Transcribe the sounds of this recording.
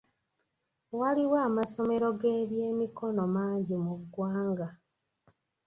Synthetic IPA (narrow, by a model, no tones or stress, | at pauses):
waliwaːmaso̞me̞ɾo̞ɡeːβje̞ːmiko̞nomaːɲɟimuɡwaːŋɡa